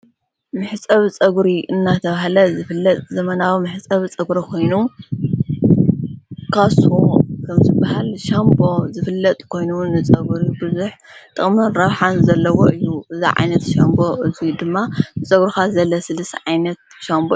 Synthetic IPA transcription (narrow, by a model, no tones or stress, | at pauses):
mɨħt͡sʼɐβt͡sʼɐɡɾiʔɨnːat̪ʰɐβaɦlɐzɨfɨlːɐt̪ʼzɐmɐnawimɨħt͡sʼɐβt͡sʼɐɡɾɐkʰo̞jnu | kʰasukʰɐmzɨbahalʃambo̞zɨfɨlːɐt̪ʼkʰo̞jnunɨt͡sʼɐɡɾibɨzuħt̪ʼɨχʼmɐnɾɐβħanzɐlːɐwoʔɨjːuɨziʕa̰jnɐt̪ʃɐmbo̞ʔɨzid̪ɨmːanɨt͡sʼɐɡɾixazɐlːɐsɨlɨsʕajnɐt̪̚ʃambo